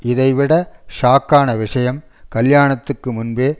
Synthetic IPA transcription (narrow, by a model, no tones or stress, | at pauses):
ɪðɐɪʋɪɽɐʂaːkːaːnɐʋɪʂɐjɐm | kɐljaːɳɐt̪ːɯkːɯmʊnbeː